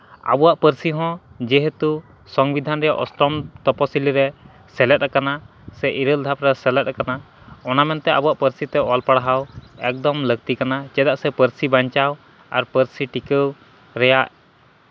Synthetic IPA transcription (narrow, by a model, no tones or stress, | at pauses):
a̰buwaʔpəɾsiɦɔ̃d͡ʒɛɦet̪u | sɔŋbid̪ʱanɾɛjaʔɔsʈɾɔmt̪ɔpɔsiliɾɛ | sɛlɛt̪̚ɾakana | sɛʔiɾəld̪ʱapɾɛsɛlɛt̪̚akana | ɔnamɛnt̪ɛabuwaʔpəɾsit̪ɛʔɔlpaɽaɦawɛk̚d̪ɔmləɡ̚t̪ikanat͡ʃɛd̪aʔsɛpəɾsibaɲt͡ʃaw | a̰ɾpəɾsiʈikəw | ɾɛjaʔ